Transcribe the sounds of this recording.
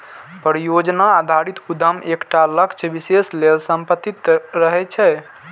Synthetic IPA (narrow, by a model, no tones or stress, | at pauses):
pəɾijod͡ʒnaːd̪ʱaɾit̪kud̪əmʔekʈaləkt͡ʃʰbiseslelsəmpət̪ːit̪ɾəɦɛt͡ʃʰɛ